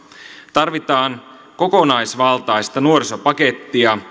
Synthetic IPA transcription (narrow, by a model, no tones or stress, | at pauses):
t̪ɑrʋit̪ɑːŋ | ko̞konɑjsʋɑlt̪ɑjst̪ɑnuoɾiso̞pɑke̞t̪ːiɑ